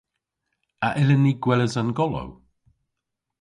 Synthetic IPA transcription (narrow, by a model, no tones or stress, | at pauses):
aʔɪlənːiɡwɛləzanɡɔlɔ̰w